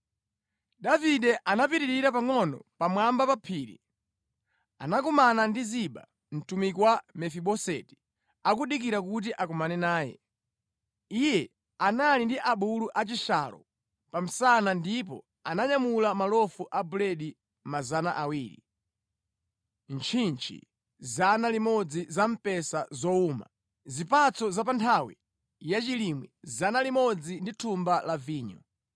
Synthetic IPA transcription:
daviɗɛʔanap̬iɾiɾiɾapaŋɔnɔ̰pamwambapapʰiːɾḭ | anakumanandiziɓa̰ | n̩tumikwamɛfiɓɔsɛ̰ti̥ | akuɗikiɾakut̬iʔakɔmanɛnaːjɛ̰ | ijɛ | analindiʔaɓuluʔat͡ʃiʃa̰lɔ̰ | pam̩sanandip̬ɔ̰ | anaɲamulamalɔfuʔabulɛɗi | mazanaʔawiːɾḭ | nt͡ʃʰint͡ʃʰḭ | zanalimɔd͡zizam̩pɛsazɔuːma̰ | zipat͡sɔzap̬antʰawḭ | jat͡ʃilimwizanalimɔd͡zinditʰumbalaviːɲɔ̰

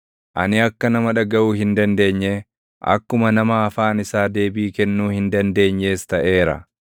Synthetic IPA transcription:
ʔɐ̰nɪɐkːɐnɐmɐᶑɐɡɐuːɦɪnd̪ɐnd̪e̞ːɲːe | ʔɐ̰kːʊmɐnɐmɐːfaːnɪsaːd̪e̞ːbiːkɛnːuːhɪnd̪ɐnd̪e̞ːɲːe̞ːst̪ɐʔe̞ːɾɐ̰

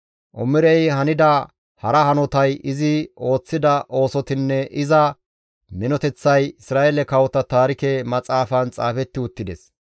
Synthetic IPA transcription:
ʔɔmɪɾɛjɦɐnɪd̪ɐ | hɐɾɐhɐnɔt̪ɐjɪzɪo̞ːt͡sːɪd̪ɐʔo̞ːsɔt̪ɪnːɛʔɪzɐ | mɪnɔt̪ɛt͡sːɐjɪsɾaːʔelɛkɐwɔt̪ɐt̪aːɾɪkɛmɐt͡sʼaːfɐnt͡sʼa̰ːfɛt̪ːɪʊt̪ːɪd̪ɛs

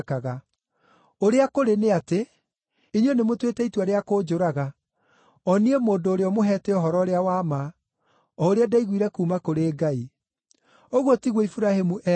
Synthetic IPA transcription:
kaɣa | oɾeakoɾeneate | iɲwenemotwetɛitwaɾeakoːd͡ʒoɾaɣa | ɔniemoːndoːɾeɔmoɦɛtɛɔɦɔɾɔɾeawama | ɔoɾeadaiɣwiɾɛkuːmakoɾeːɡai | oɣwotiɣwɔifuɾahemuʔɛ

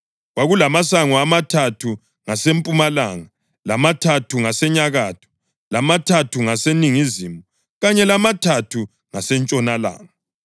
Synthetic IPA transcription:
waɣulamasaŋɔamatʰatʰu | ŋasempʼumala̰ːŋa | lamatʰatʰuŋasɛɲaɣatʰɔ̥ | lamatʰatʰuŋaseniŋizimu | ɣaɲɛlamatʰatʰu | ŋasɛnt͡ʃʼɔnala̰ːŋa

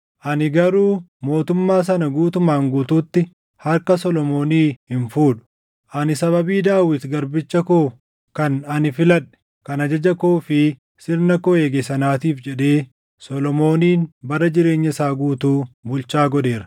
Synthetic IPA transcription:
ʔɐnɪɡɐɾuːmo̞ːt̪ʊmːaːs̬ɐnɐɡuːt̪ʊmaːŋɡuːt̪uːt̪ːɪ | hɐɾkɐsɔlɔmo̞ːniːhɪnfuːᶑʊ̥ | ʔɐnɪsɐβɐbiːd̪aːwɪt̪ɡɐɾbɪt͡ʃːɐkoː | kɐnɐnɪfɪlɐᶑɛ̥ | kɐnɐd͡ʒɐd͡ʒɐkoːfɪ | sɪɾnɐkoeːɡesɐnaːt̪iːfd͡ʒɛᶑe̞ː | sɔlɔmo̞ːniːnbɐrːɐd͡ʒɪɾe̞ːɲːɐɪsaːɡuːt̪uːbʊlt͡ʃaːɡɔᶑe̞ːɾɐ̥

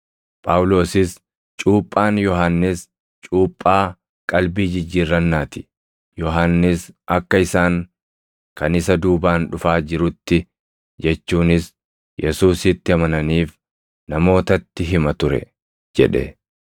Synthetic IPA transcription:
pʼaːwʊlo̞ːsɪs | t͡ʃʼuːpʼːaːnjɔɦaːnːɪs | t͡ʃʼuːpʼːaː | kʼɐlbiːd͡ʒɪd͡ʒːiːrːɐnːaːt̪ɪ̥ | jɔɦaːnːɪsɐkːɐɪsaːŋ | kɐnɪsɐd̪uːbaːnᶑʊfaːd͡ʒɪɾʊt̪ːɪ | d͡ʒɛt͡ʃːuːnɪs | jɛsuːsɪt̪ːɪɐmɐnɐniːf | nɐmo̞ːt̪ɐt̪ːɪɦɪmɐt̪ʊɾɛ̰ | d͡ʒɛ̰ᶑɛ̰

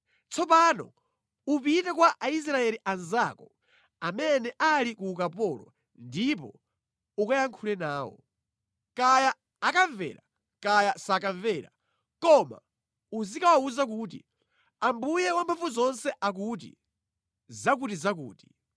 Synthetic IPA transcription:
t͡sʰɔpaːnɔ̰ | upitɛkwaʔais̬ɾaɛliʔanzakɔ | amɛnɛʔalikukapɔlɔ | ndip̬ɔ̰ | ukajaŋkʰulɛnaːwɔ̰ | kajaː | kaɱvɛ̰ːɾa | kajasakaɱvɛːɾa̰ | kɔma̰ | uzikawauzak̬uːt̬ḭ | ambujɛwampʰafuzɔnsɛʔak̬ut̬ḭ | zak̬utizak̬ṵːti̥

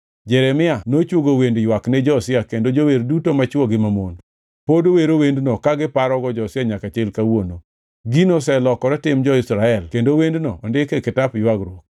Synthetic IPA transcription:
d͡ʒɛɾɛmɪanot͡ʃwoɡowendjwaknɛd͡ʒɔsɪakendod͡ʒoweɾdutomat͡ʃwɔɡɪmamon | podoweɾowendnɔkaɡɪpaɾɔɡɔd͡ʒɔsɪaɲakat͡ʃelkawono | ɡinosɛlɔkɔɾɛtɪmd͡ʒɔɪsɾaɛlkendowendnɔːndɪkekɪtapjwaɡɾwok̚

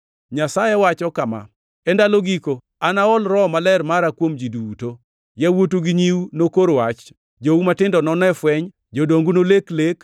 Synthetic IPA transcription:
ɲasajɛwat͡ʃɔkama̰ | ɛndaloɡiko | anaɔlɾɔmalɛrmaɾakwomd͡ʒiduto | jawotuɡiɲiwnokoɾwat͡ʃ | d͡ʒoumatɪndɔnɔnɛfwɛɲ | d͡ʒodoŋɡunoleklek

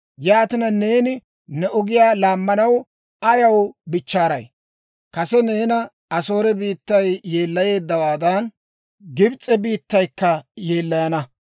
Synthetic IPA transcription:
jaːt̪ɪnɐne̞ːnɪ | nɛʔʊɡɪjaːlaːmːɐnɐw | ɐjɐwbɪt͡ʃːaːɾɐ̰j | kɐsɛne̞ːnɐ | ɐso̞ːɾɛbiːt̪ːɐjːe̞ːlːɐje̞ːd̪ːɐwaːd̪ɐn | ɡɪbt͡sʼːɛbiːt̪ːɐjkːɐje̞ːlːɐjɐnɐ

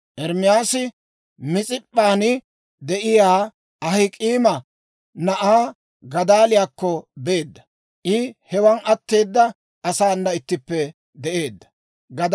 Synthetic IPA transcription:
ʔɛɾmɪjaːsɪ | mɪt͡sʼɪpʼːaːnɪ | d̪ɛʔɪjaː | ɐɦɪkʼiːmɐ | nɐʔaː | ɡɐd̪aːlɪjaːkːɔbe̞ːd̪ːɐ | ʔɪhɛwɐnɐt̪ːe̞ːd̪ːɐ | ɐsaːnːɐɪt̪ːɪpːɛ | d̪ɛʔe̞ːd̪ːɐ̥ | ɡɐd̪

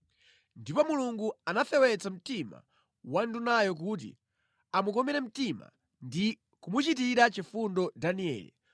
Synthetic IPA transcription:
ndipɔmuluŋɡuanaθɛwɛt͡sam̩tima̰ | wandunajɔk̬ut̬ḭ | amukɔmɛɾɛm̩tima̰ | ndi | kumut͡ʃitiɾat͡ʃifundɔdaniɛ̰ːlḭ

